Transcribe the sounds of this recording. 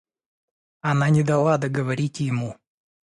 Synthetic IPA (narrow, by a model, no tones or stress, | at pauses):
ɐnanʲɪd̪ɐlˠad̪ɐɡəvɐɾʲitʲjɪmu